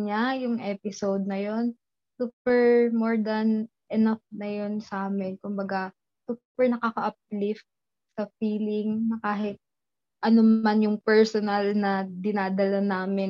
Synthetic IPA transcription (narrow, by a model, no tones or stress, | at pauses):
ɲajʊŋʔɛːpɪsowd̪̚nɐjo̞n | suːpɛɹmoɹd̪ɐn | ʔɛnɐfnɐjo̞nsaːmɪnkʊmbɐɡa | suːpɛɹnɐkakɐʔɐp̚lɪft̪̚ | sɐfiːlɪŋnɐkaːɦɪt̪̚ | ʔɐnomanjʊŋpɛɹsonɐlnɐd̪ɪnaːd̪ɐlɐnaːmɪ